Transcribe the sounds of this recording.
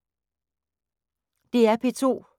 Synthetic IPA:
d̥e̝æɐpʰe̝t͡sʰo̝̰ː

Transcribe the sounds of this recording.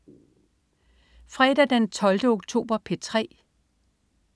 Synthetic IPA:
fʁɛd̥æd̥ent͡sʰɒ̽ld̥əoɡ̥̚t͡sʰo̝̰ːb̥ɐpʰe̝t͡sʰʁɛ̰ː

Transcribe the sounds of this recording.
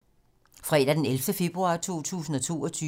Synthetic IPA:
fʁɛ̰d̥æd̥enelfd̥əfe̝b̥ʁuɑ̈t͡sʰo̝̰ːt͡sʰṵːsn̩ɒ̽t͡sʰo̝̰ːɒ̽t͡sʰyː

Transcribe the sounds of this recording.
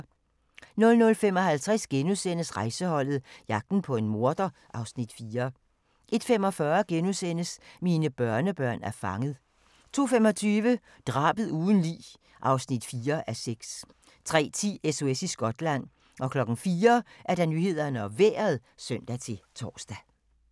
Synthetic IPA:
nɔ̽lnɔ̽lfemɒ̽ɦælt͡sʰʁɛsɡ̥enusen̰əsʁɑ̈ɪsəhɒ̽l̰ð̞̩ˠjɑ̈ɡ̥̚d̥n̩pʰɒ̽e̝nmo̝ɐd̥ɐʔɑ̈ʊsnid̥fiːɐ | ʔe̝d̥femɒ̽fɶːɐɡ̥enusen̰əsmiːnəb̥ɶɐnəb̥ɶɐ̰næɐfɑ̈ŋəð̩ˠ | t͡sʰo̝̰ːfemɒ̽t͡sʰyːʋə | d̥ʁɑ̈ːb̥əð̩ˠuːðˠn̩lḭː | ʔɑ̈ʊsnid̥fiːɐʔæseɡ̥s | t͡sʰʁɛ̰ːt͡sʰḭːeso̝esisɡ̥ɒ̽d̥læn̰ | ʔɒ̽kʰlɒ̽ɡ̥n̩fiːɐʔæɐɾ̥ɑ̈nyhe̝ð̞̰ˠɐnəɒ̽ʋḛːɐð̩ˠsøn̰d̥æt͡sʰe̝t͡sʰɒ̰ːsd̥æ

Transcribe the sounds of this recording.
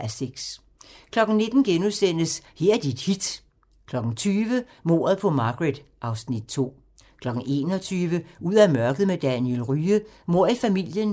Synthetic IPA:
æseɡ̥s | kʰlɒ̽ɡ̥n̩ne̝d̥n̩ɡ̥enusen̰əsheɐd̥id̥hid̥ | kʰlɒ̽ɡ̥n̩t͡sʰyːʋə | mo̝̰ːɐð̩ˠpʰɒ̽mɑ̈ɡ̥ʁed̥ʔɑ̈ʊsnid̥̚t͡sʰo̝̰ː | kʰlɒ̽ɡ̥n̩e̝̰ːnɒ̽t͡sʰyːʋəuð̰ˠæmɶɐɡ̥ð̩ˠmed̥ænielʁyːəmo̝ɐ̰ifæmil̰jən

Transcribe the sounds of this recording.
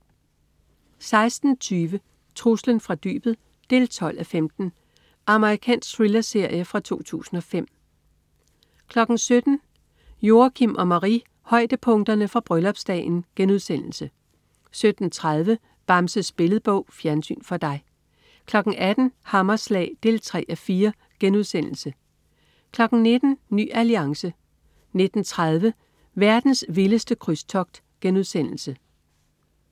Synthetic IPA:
sɑ̈ɪsd̥n̩t͡sʰyːʋə | t͡sʰʁuslənfʁɑ̈d̥y̰ːb̥ð̩ˠ | d̥e̝lt͡sʰɒ̽l̰æfemd̥n̩ | ʔɑ̈məʁikʰɛ̰ːnsɡ̥̚t͡sʰʁilɐse̝ɐ̰jəfʁɑ̈t͡sʰo̝̰ːt͡sʰṵːsn̩ɒ̽fem̰ | kʰlɒ̽ɡ̥n̩sød̥n̩ | jo̝ːɐkʰimʔɒ̽mɑʁi | hɒ̽ɪ̰d̥əpʰɔ̽ŋd̥ɐnəfʁɑ̈b̥ʁœlɒ̽b̥sd̥ɛ̰ːnɡ̥enuð̞ˠsen̰l̩sə | sød̥n̩t͡sʰʁaðˠʋə | b̥ɑ̈msəsb̥e̝ləð̩ˠb̥ɔʊ̰fjæɐnsy̰ːnfɒ̽d̥ɑ̈ɪ | kʰlɒ̽ɡ̥n̩ʔæd̥n̩hɑ̈mɐslɛ̰ːɪd̥e̝ːlt͡sʰʁɛ̰ːæfiːɐ | ɡ̥enuðˠsen̰l̩sə | kʰlɒ̽ɡ̥n̩ne̝d̥n̩ny̰ːæliɑ̈ŋsə | ne̝d̥n̩t͡sʰʁað̞ˠʋə | ʋæɐd̥n̩sʋiləsd̥əkʰʁyst͡sʰɒ̽ɡ̥̚d̥ | ɡ̥enuðˠsen̰l̩sə

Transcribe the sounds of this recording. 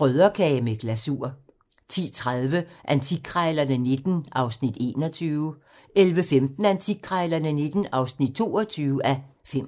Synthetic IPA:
ʁœðˠɐkʰɛːmeɡ̥læsuɐ | t͡sʰḭːt͡sʰʁaðˠʋəʔænt͡sʰiɡ̥ʰʁɑɪlɐnəne̝d̥n̩ʔɑ̈ʊsnid̥e̝̰ːnɒ̽t͡sʰyːʊ | elʋəfemd̥n̩ænt͡sʰiɡ̥ʰʁɑɪlɐnəne̝d̥n̩ɑ̈ʊsnid̥̚t͡sʰo̝̰ːɒt͡sʰyːʊəæfem

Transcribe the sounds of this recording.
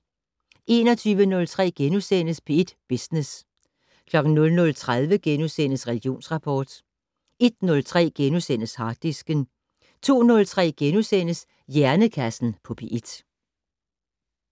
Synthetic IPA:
ʔe̝ːnɒ̽t͡sʰyːʋənɔ̽lt͡sʰʁɛ̰ːɡ̥enusen̰əspʰe̝ed̥b̥isnes | kʰlɒ̽ɡ̥n̩nɔ̽lnɔ̽lt͡sʰʁaðˠʋəɡ̥enusen̰əsʁɛlɡ̥jo̝̰ːnsʁɑ̈pʰɒːd̥ | e̝d̥̚nɔ̽lt͡sʰʁɛ̰ːɡ̥enusen̰əshɑ̥̈ːisɡ̥ən | t͡sʰo̝̰ːnɔ̽lt͡sʰʁɛ̰ːɡ̥enusen̰əs | jæɐnəkʰæsn̩pʰɒ̽pʰe̝ʔed̥

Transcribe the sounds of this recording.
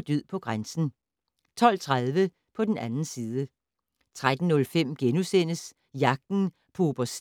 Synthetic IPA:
d̥yð̰ˠpʰɒ̽ɡ̥ʁansn̩ | t͡sʰɒ̽l̰t͡sʰʁað̞ˠʋə | pʰɒ̽d̥enænn̩siːð̞ˠə | t͡sʰʁad̥n̩nɔ̽lfem̰ɡ̥enusen̰əs | jɑ̈ɡ̥̚d̥n̩ | pʰoːb̥ɐs

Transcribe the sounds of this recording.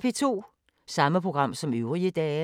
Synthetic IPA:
pʰe̝t͡sʰo̝̰ː | sɑ̈məpʰʁo̝ɡ̥ʁɑ̈m̰sɒ̽møʊʁiəd̥ɛː

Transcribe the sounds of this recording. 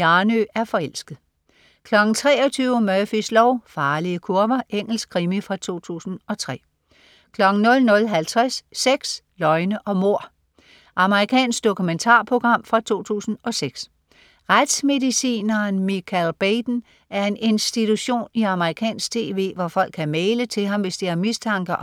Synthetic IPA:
ɑnøæɐfɒ̽el̰sɡ̥əð̩ˠ | kʰlɒ̽ɡ̥n̩t͡sʰʁɛ̰ːɒ̽t͡sʰyːʊəmœfislɒʊfɑ̈ːliəkʰuɐʋɐʔeŋ̰l̩skʰʁimifʁɑ̈t͡sʰo̝̰ːt͡sʰṵːsn̩ɒ̽t͡sʰʁɛ̰ː | kʰlɒ̽ɡ̥n̩nɔ̽lnɔ̽lɦælt͡sʰʁasːeɡ̥s | lɒ̽ɪnəʔɒ̽mo̝ɐ̰ | ʔɑ̈məʁikʰɛ̰ːnsɡ̥̚d̥o̝kʰument͡sʰɑ̰̈ːpʰʁo̝ɡ̥ʁɑ̈m̰fʁɑ̈t͡sʰo̝̰ːt͡sʰṵːsn̩ɒ̽seɡ̥s | ʁad̥sme̝ðˠisḭːnɐnmikʰælb̥ed̥n̩ | æɐe̝ne̝nsd̥it͡sʰuɕo̝̰ːniɑ̈məʁikʰɛ̰ːnsɡ̥̚t͡sʰe̝̰ːʋe̝̰ːʋɒfɒ̽l̰ɡ̥ʰkʰːæmeːlət͡sʰe̝lɦɑ̈mʋe̝sd̥iæɐmist͡sʰɑ̈ŋɡ̥ɐ

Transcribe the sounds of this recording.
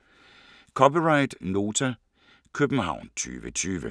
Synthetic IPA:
kʰɒpiʁɑ̈ɪ̰d̥no̝ːt͡sʰæ | kʰøb̥n̩ɦɑ̈ʊ̰nt͡sʰy̰ːʋət͡sʰyːʋə

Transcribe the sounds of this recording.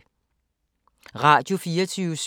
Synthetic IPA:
ʁat͡ɕʰufiːɐt͡sʰys

